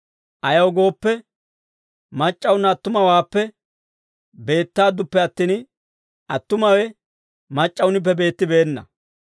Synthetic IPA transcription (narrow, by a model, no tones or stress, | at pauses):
ʔɐjɐwɡo̞ːpːɛ | mɐt͡ʃʼːɐwʊnːɐːt̪ːʊmɐwaːpːɛ | be̞ːt̪ːaːd̪ʊpːɛɐt̪ːin | ʔɐt̪ːʊmɐwɛ | mɐt͡ʃʼːɐwʊnɪp̬ːɛbe̞ːt̪ːɪbe̞ːnːɐ